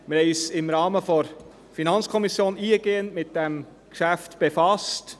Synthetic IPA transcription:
mɪisɪmɾɑːməfɔɾ | finɑnt͡sskʰɔmisjoːniːəɡ̥eːənmɪt̚d̥ɛm | kʃæftb̥efɑst

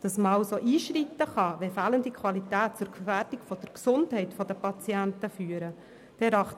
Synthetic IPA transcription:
d̥ɑsməɑʊsoʔiːʃɾitːəχɑʋɛfæːləndikʰʋwɑlitæːt̚t͡sʊɾɡfæːɾd̥ikfɔd̥əɾksʊndhɛɪtfɔdəpɑt͡siæntəfyːəɾə | d̥ɛɾɑχt

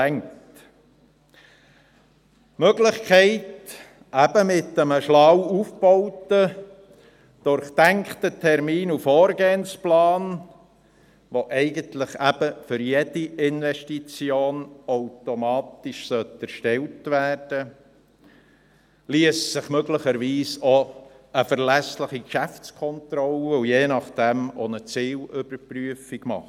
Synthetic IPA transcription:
ɛŋt | møɡlɪχkχɛɪt | ʔæb̥əmɪt̪ːəməʃlɑwufb̥ɔwt̪ə | d̪̥ʊɾχt̪æŋkχt̪ətʰɛɾmiːnufoːɾɡeːənsplɑːn | ʋoʔɛɪɡənt̪ləχæb̥əfʏɾjɛdiɪnʋɛʃtit͡sjoːnawtomɑːtiʃsœtæɾʃtɛltʋæːrd̥ə | liəssɪχmøɡləχəɾʋiːso | əfəɾlæslɪχikʃæft͡skʰɔntɾɔləujeːnɑχd̥ɛmonət͡siːlʏbəɾpryəfiɡmɑ̰χ

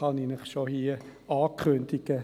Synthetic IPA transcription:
ɑninəχʃohiɑːkʰχɵnd̥̪iɡ̥ə

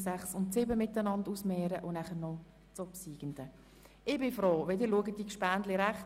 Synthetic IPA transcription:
sæχsʊntsɪbəmɪtːənɑndusmɛːɾəʔʊnæχəɾnɔ | t͡sɔpsiːɡ̥ənd̥̪ə | ʔɪbɪfɾoːʋedəluəɡət̚d̥ikʃpæːndlɪɾæχt

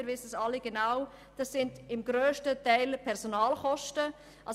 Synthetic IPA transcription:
ɾʋɪsəsɑlːiɡ̥enaw | d̥ɑsːɪndɪmɡɾøːʃtətɛɪlpʰɛɾsonɑːlχɔʃtə | ʔɑ̰

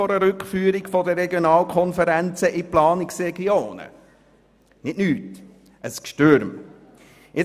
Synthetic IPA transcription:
oɾəɾʏkχfyːɾikfɔdəɾɛɡjonɑːlkʰχɔnfəɾænt͡səʔiplɑːnɪksɾɛɡioːnə̰ | nɪtnyːt | ʔəskʃtøɾm | ɪ

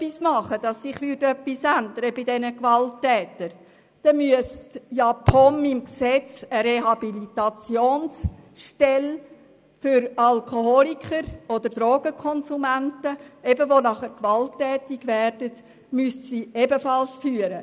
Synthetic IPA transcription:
pːismɑχəd̥ɑsːɪχʋʏɾdœpːisænd̪əɾəbɪdɛnəkvɑltːɛːtəɾ | d̥ɛmyəstjɑpʰɔnimksɛt͡səɾeɦɑbilit̪ɑt͡sjoːnsʃtɛl | fʏɾɑlkʰoɦɔlikʰəɾɔd̥̪əɾd̥ɾoːɡ̥əkʰɔnsumæntəɛbəʋonɑχəkʋɑltːɛːtiɡʋɛrd̥ət | myəstsiebəfɑlsfyːəɾə

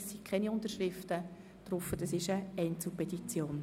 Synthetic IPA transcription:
sːikʰχɛniʊnt̪əɾʃrɪftə | d̥ɾʊfːəd̥ɑsɪʃəɛɪnt͡supʰɛtit͡sjoːn

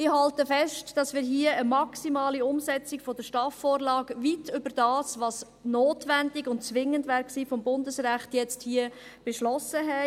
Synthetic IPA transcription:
ɪɦɑltəfɛʃtd̥ɑsmɪːɾɦiəəmɑksimɑːliʊmsɛt͡sɪkfɔd̥əʃtɑːfːoːɾlɑːɡʋitʰʏbəd̥ɑːsʋɑs | noːtʋændɪɡʊntt͡sʋɪŋːəndvæːɾksiːfɔmbʊndəsɾæχtjɛt͡sthiːəb̥eʃlɔsəɦɛ

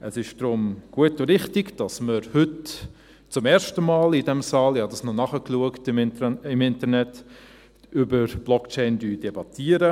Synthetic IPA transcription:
ʔəsɪʃd̥ɾʊmɡ̥uətʊɾɪχtɪɡd̥ɑsməɾhʏt | t͡sʊmɛːɾʃtəmɑːlɪdɛmsɑːlɪhɑdɑsnɔnɑχəkluəktɪmnɪmɪntəɾnɛt | ʔybəɾb̥lɔkt͡ʃɛɪndyːdɛbɑtʰiːəɾə

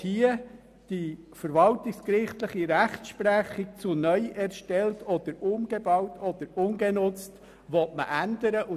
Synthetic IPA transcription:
hiə | d̥ifəɾʋɑltɪkskɾɪχtləχiɾæχt͡sʃpɾæχik̚t͡sʊnœʏʔɛɾʃtɛltɔd̪̥əɾʊmɡebɑwtʰɔd̪̥əɾʊnɡenʊt͡st | ʋɔtmə̰ʔændəɾəʔʊ

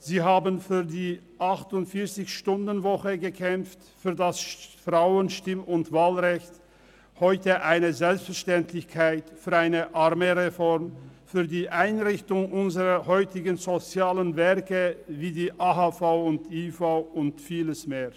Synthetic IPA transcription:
z̥iːɦaːbənfyːɐdiː | ʔaχtʊntfɪɐt͡sɪçʃtʊndənvɔχəɡəkʰɛmft | fyːɐdasfʁ̥aʊənʃtɪmʊntv̥aːlʁɛçt | hɔʏtəʔaɪnəzɛlpstfɛɐʃtɛntlɪçkʰaɪtfyːɐaɪnəʔaʁmeʁefɔʁmfyːɐdiːʔaɪnʁɪçtʊŋʔʊnzəʁɐhɔʏtɪɡənzot͡sjaːlənvɛʁkəviːdiːʔaːɦaːfaʊʊntiːfaʊʊntfiːləsmeːɐ

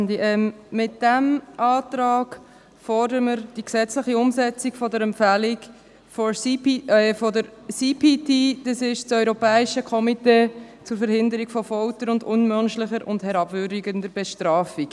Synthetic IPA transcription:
ndiʔɛmmɪt̚d̥æmʔɑːtɾɑːɡ | fɔɾdəɾəməɾd̥iksɛt͡slɪχiʊmsɛt͡sikfɔdəɾɛmpfælik | fɔ | fɔdəɾsipitid̥ɑsɪʃt͡sœʏɾɔpɛːɪʃəkʰɔmiteːt͡sʊɾfəɾhɪndəɾiɡfɔfɔltəɾʊndʊnmœnʃlɪχəɾʊ̰ndhɛɾɑbvʏɾdiɡəndəɾb̥ɛʃtɾɑːfik

